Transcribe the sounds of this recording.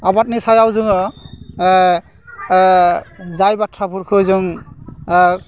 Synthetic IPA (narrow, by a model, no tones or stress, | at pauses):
abat̚nisajawzuŋɔ | zajbatʰɾapuɹkʰɯzɯŋ